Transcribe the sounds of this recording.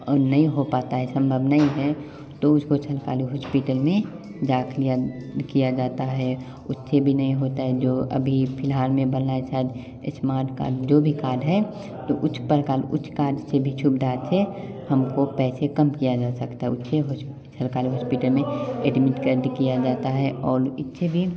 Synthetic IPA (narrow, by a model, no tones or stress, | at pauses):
ɔ̰ːɾnəɦĩɦopaːt̪aɦɛsə̃mbʱəbnaĩɦɛ | t̪oʊskot͡ʃʰəlka̰ːliɦɔːspiʈəlmẽ | d͡ʒaːkʰlijakijad͡ʒaːt̪aɦɛ | ʊtːsebʱinɐɦĩɦoːt̪aɦɛd͡ʒoːə̰bʱipʰɪlɦaːlmẽbənnaet͡ʃad͡ʒ̪ | ɪsmaːɾʈka̰ːɖd͡ʒoːbʱikaːɾɖɦɛ | t̪oʔʊtːt͡ʃʰpəɾkaːlʊ̰tːt͡ʃʰkaːɾɖsebʱit͡ʃʰʊpd̪aːsʰe | hɐmkopɛːsekəmkijad͡ʒaːsəkt̪aɦɛʊtːʃʰeɦo | t͡ʃʰəlkaːliɦɔːspiːʈəlmẽeɖmɪʈkəɾɖkijad͡ʒaːt̪aɦɛʔɔːɾɪt̪ːʃʰebʱi